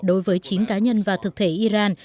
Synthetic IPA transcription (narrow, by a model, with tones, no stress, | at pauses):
ɗo˨˦jvəː˨˦jt͡ɕi˨˦ənkaː˨˦ɲə˧nvaː˨˩t̪ʰɨ˨˩k̚t̪ʰe˧˩ʔi˧zaː˧n